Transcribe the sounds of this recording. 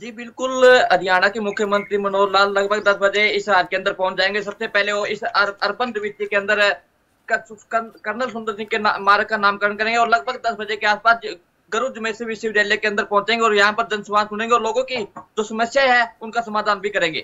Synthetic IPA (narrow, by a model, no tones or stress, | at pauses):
d͡ʒiːbɪlkʊləd̪ɪjaːnakimʊkʰjəmə̃nt̪ɾiːmənoːɾlaːlləɡ̚bʱəɡ̚d̪əsbəd͡ʒeɪsaːd͡ʒkeənd̪əɾpɔ̃ːʊ̃t͡ʃd͡ʒaːẽːŋɡes̬əbsepɛːleoɪsəəɾbə̃nd̪ʋɪt̪ikeə̃nd̪əɾ | kkəɾnəlsʊ̃nd̪əɾɪkenamaːɾəkanaːmkəɾəɳkəɾẽːŋɡeɔːɾləɡ̚bʱəɡ̚d̪əsbəd͡ʒekeaːspaːs | ɡəɾuːd͡ʒəmẽːseʋɪsɪʋd͡ʒeːlekeənd̪əɾpɔ̃ːnt͡ʃẽːŋɡeɔːɾjɦãːpəɾd͡ʒənsəmaːnsʊɽ̃ẽːɡeɔːɾloːɡõːkid͡ʒoːsəməsjaɦɛːʊnkasəmaːd̪ʱaːnbʱikəɾẽːɡḛː